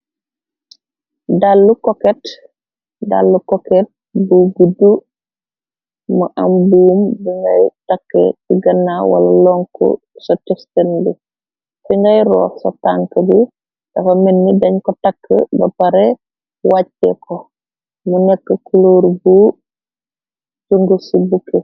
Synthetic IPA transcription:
dalːukɔket | da̰lːukɔket̚ | buɡudːu | muʔambuːmbiŋɡajtakːḛtiɡɐnːawa̰lɐ̰lɔŋkɔ̰ | sotɛstɐnbu | fiŋɡajɾɔːso̰taːŋkəbi | dɐfominːidɐɲkotakʰːə̰bɐpaɾe | wacːeko | munɛkːəkuloːɾbu | suŋɡusibukːe

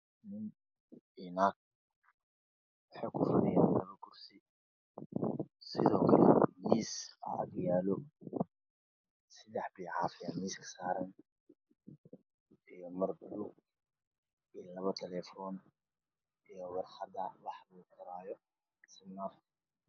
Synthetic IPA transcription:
nɪn | inaːk̚ | wɑħɑjkʰʊfʊnɪja̰ːnlɐβɐɡʊrsɪ | sɪðɔːkʰɐlɛ̰miːsɐ̰ɐ̰ɡjaːlɔ | sɪd̪ɛħbiːʕɑːfɪɐmiːskʰɐ̥saːɾɐn | ijɔmɐrbʊlʊ | iːlɐβɐt̪ʰɛlɛːfɔːn | ijɔwɑrħɑd̪ɐwɑħluːɡɪɾaːjɔ | sɪnːaf

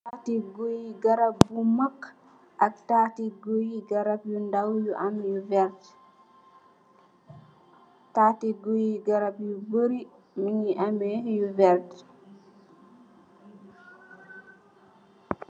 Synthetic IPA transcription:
tatiɡojiɡaɾabbumak | ʔaktaːtiɡojiɡaɾabjundawjuʔamjuvɛɾt | tatiɡojiɡaɾabjubəɾi | miɲiʔamɛjuvɛɾt

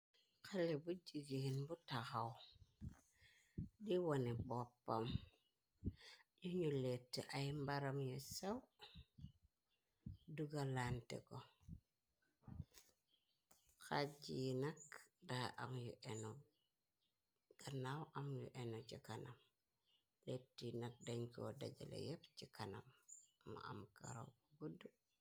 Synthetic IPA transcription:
kalebud͡ʒiɡinbutaxaw | ɗiwonebopːa̰m | ɟoɲuletːeʔajimbaɾamjosaw | duɡalantḛko | xaɟinakdaʔamjṵʔeno | ɡ̥anawʔamjṵʔenot͡ʃikanam | letːinak̚daɲko̰da̰ɟḛlḛjepcikana̰mːa̰a̰mka̰ɾo̰wkoɡudːu

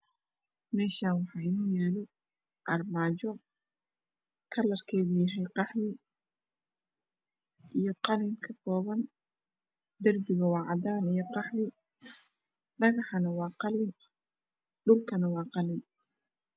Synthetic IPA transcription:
mɛːʃaːnwɑħɑːɪnʊjɛːlɔ | ʔɐrmaːt͡ʃɔ | kʰɐlɐrkʰɛːðujɐɦɛjqɑħmɪ | ʔijɔqɑlɪŋkʰɐkʰɔːβɐn | d̪ɐrbɪɣɐwɑːʕɑd̪aːnijɔqɑħmɪ | ɖɐɣɑħɐnɐwɑːqɑlɪn | ɖʊlkʰɐnɐwɑːqɑlɪn

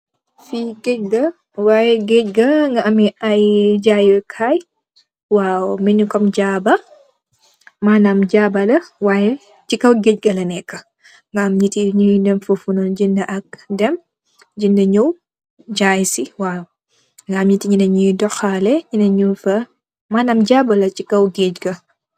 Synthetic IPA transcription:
fiɡɛɟ̚ɡɐ | wajɛɡɛɟɡɐŋɡɐamiajɟajkʰaj | waːwmɛɲukɔmɟaːbɐ | manamd͡ʒabɐlɐwaːjɛ | t͡ʃikɐwɡɛɟ̚ɡɐlɐnɛkːɐ | ŋɡɐɐmɲitiɲudɛmfufunɔnɟindɐʔɐk̚dɛm | ɟindɐɲɔw | ɟaːjsiwaːw | ŋɡɐɐmɲitiɲinɐɲujdɔxalɛɲinɐɲufɐ | maːnamɟaːbɐlɐt͡ʃikɐwɡecɡɐ

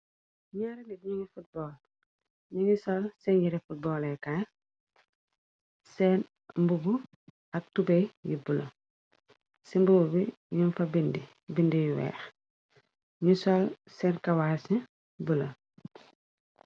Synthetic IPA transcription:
ɲaɾiŋidɲuŋifut̚bɔːl | ɲuŋisɔlsɛnjiɾɛfut̚bɔːlɛkaːn | sɛːn | mbubu | ɐk̚tubɛjjibulɐ̰ | simbububi | ɲunfɐbindi | bindijuwɛ̰ːx | ɲusɔl | sɛːnkɐwaːsi | bulɐ

